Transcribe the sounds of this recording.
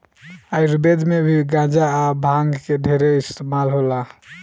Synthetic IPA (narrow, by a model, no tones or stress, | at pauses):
ajɾubed̪mebʱiɡãd͡ʒaːbʱãŋɡkeɖʱeɾeist̪emalɦola